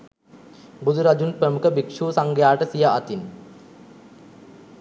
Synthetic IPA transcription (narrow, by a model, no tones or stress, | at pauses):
bud̪ʱuɾad͡ʒunpɾəmukəbikʂuːsaŋɡəjaːʈəsijaat̪in